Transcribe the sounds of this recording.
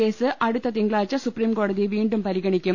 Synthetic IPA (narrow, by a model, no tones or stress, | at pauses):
e̞ːsɨʔɐɽut̪ːɐt̪iŋɡɭaːt͡ɕːɐsupriːmko̞ːɽɐðiʋiːɳɖumpɐɾiɣɐɳikʲːum